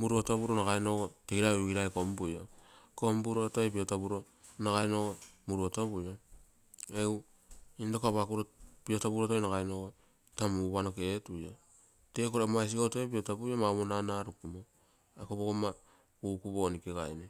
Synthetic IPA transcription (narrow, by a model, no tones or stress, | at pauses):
muɾuotobuɾonaɡajnoɡoteɡiɾauɡiɾaekombujokombuɾotojpiotabuɾo | naɡajnoɡomuɾuotoβujo | ew | indokaβakuɾopio̞tabuɾotojnaɡajnoɡo | tamuβanoketuja | te̞koɾamajs̬iɡotojpiotabujomamonanaɾukumo | ekoβoɡoma | kukubonikeɡajne